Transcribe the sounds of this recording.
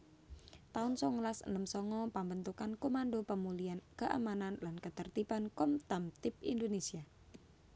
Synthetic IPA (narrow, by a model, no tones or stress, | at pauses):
t̪aʊnsɔŋəlasə̰nəmsɔŋɔpambənt̪ukankomanɖopəmuliankəʔa̰mananlankət̪ərt̪ipankɔmt̪amt̪ɪpḭndonesia